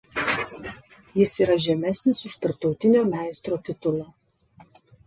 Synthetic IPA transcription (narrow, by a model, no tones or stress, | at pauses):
jɪsiːɾɐʒʲɛmʲɛsʲnʲɪsʊʃt̪ɐɾp̚t̪ɒʊt̪ʲɪnʲoːmʲæˑɪst̪ɾoːt̪ʲɪt̪ʊlˠoː